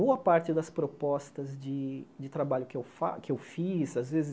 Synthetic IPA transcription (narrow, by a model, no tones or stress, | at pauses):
boɐpaɾt͡ʃɪd̪ɐspɾopɔst̪ɐzd͡ʒɪd͡ʒɪt̪ɾabaʎʊkɪewfa̰kɪewfizazvezɪ